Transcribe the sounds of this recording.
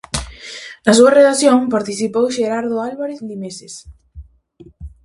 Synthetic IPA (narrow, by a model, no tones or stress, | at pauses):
asuɐreðaθjoŋpaɾt̪iθipowʃeɾaɾðʊalβaɾeθlimeses